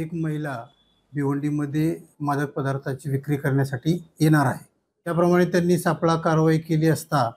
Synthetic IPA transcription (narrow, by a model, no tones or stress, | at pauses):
ekməɦila | biʋəɳɖiməd̪ʱːjemad̪ək̚pəd̪aɾt̪ʰat͡ɕiːʋikɾiːkəɾɳjasaʈiːjeɽ̃aɾaɦe | t̪japɾəmaɽ̃et̪janːiːsapɭakaɾʋaikeliːəst̪a